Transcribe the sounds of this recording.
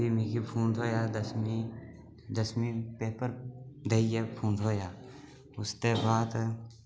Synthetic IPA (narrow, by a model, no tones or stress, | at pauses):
imekipʰũːnd̪ɦoːjad̪əsmi | d̪əsmĩpeːpəɾd̪eiepʰũːnd̪ɦoːja | ʊst̪ebaːd̪